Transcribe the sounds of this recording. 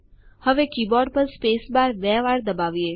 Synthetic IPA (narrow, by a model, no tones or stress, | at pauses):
həʋekibɔɖpəɾspesbaɾʋɛʋaɾd̪əbaʋie